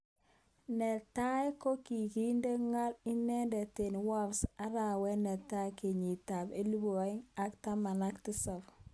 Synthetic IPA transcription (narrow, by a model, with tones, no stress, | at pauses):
nɛ˨ta˦e˦ko˦ki˨ki˦nde˦ŋa˦li˦nɛ˦ndɛ˨te˨nwa˦vsa˦ɾa˨wɛ˦nɛ˨ta˦ke˨ɲi˨ta˨be˦lu˦bo˨a˨˦i˦ŋa˦kta˦ma˨na˦ktɪ˦sɔ˨f